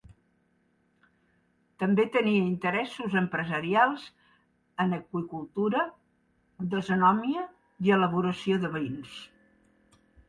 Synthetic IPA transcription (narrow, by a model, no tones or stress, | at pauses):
t̪əmbet̪əniəint̪əɾɛsuzəmpɾəzəɾialˠz | ənəkwikulˠt̪uɾə | d̪əzunɔmiə | iələβ̞uɾəsioðəβəins